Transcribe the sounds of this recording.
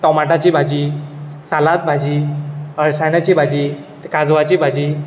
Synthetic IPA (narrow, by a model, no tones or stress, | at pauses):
ʈɔmaʈat͡ɕiːbʱad͡ʑisalat̪̚bʱad͡ʑiːəɭsajnat͡ɕiːbʱad͡ʑiː | kad͡zʋat͡ɕiːbʱad͡ʑiː